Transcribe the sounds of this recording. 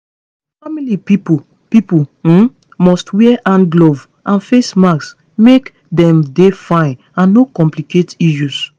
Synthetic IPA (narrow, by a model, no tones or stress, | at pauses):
familipipu | pipu | mɔstwɛɛʔãnɡlov | ʔãnfesmaks | mek | dɛ̃mdefãɪ̃n | ãnːokɔ̃mpliketiʃus